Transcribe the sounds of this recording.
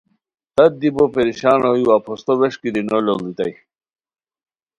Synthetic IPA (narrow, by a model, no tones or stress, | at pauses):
t̪ɐt̪̚d̪ibopeɾiɕaːnojuwapʰost̪oweʂkid̪inololit̪ɐ̰j